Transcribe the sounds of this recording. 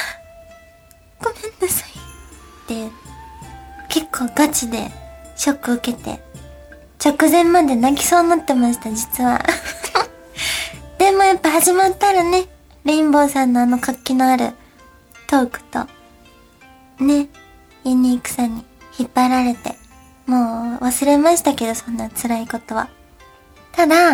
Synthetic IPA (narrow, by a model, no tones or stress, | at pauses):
ɡ̥o̞mẽ̞nːasḁit̪ːeɯ | ke̞kʰːo̞ːɡat͡ɕid̪e̞̰ɕo̞kːɯ̟ɯ̟ke̞t̪e̞̰ | t͡ɕo̞kɯ̟zẽ̞mːad̪e̞naɡʲi̥so̞ːnot̪ːe̞maɕi̥t̪ad͡ʑit͡sɨβa̰ | d̪̥e̞mo̞japːahaʑimat̪ːaɾane̞ | ɾʲĩmbo̞ːsãnːo̞ano̞kakʲːino̞aɾɯ̟̰ | t̪o̞ːkɯ̟̥t̪o̞̰ | ne̞ | iɲʲiːkɯ̟̥saɲ̟içipːaɾaɾe̞t̪e̞̰ | mo̞ːβasɨɾe̞maɕi̥t̪ake̞d̪o̞sõ̞nːat͡sɨɾaiko̞t̪o̞βa̰ | t̪ad̪a